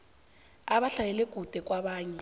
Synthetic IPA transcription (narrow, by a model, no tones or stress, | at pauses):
aɓaɬajɛlɛɡ̥ʱud̥ʱɛk̬ʼwaɓaːɲɛ